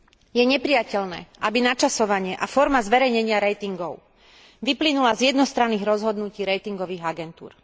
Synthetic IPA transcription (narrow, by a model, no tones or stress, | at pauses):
jɛɲɛpɾijacɛlnɛ̰ːʔabinat͡ʃasɔʋaɲɪɛʔafɔɾmazʋɛɾɛjɲɛɲɪaɾɛjt̪iŋɡɔʊ | ʋiplinulazjɛd̪nɔst̪ɾanːiːɣɾɔzɦɔd̪nuciːɾɛjt̪iŋɡɔʋiːɣaɡɛnt̪ṵːɾ